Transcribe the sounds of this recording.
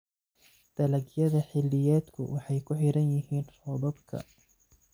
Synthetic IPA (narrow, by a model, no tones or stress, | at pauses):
d̪̥ɐlɐɡjɐðɐħɪlːɪjɛːd̪kʰʊ̰wʔɑħɑjkʰʊħɪɾɐnjɪɦiːnfɔðɔbkʰɐ̰